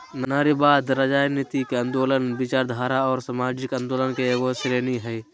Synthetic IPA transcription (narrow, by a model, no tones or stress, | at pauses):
nnaːɾibaːd̪ɾəd͡ʒaːjnɪt̪ikeə̃nd̪oːlənbɪt͡ʃaːɾd̪ʱaːɾaɔːɾsamaːd͡ʒɪkə̃nd̪oːlənkeeɡosɾeːniɦɛː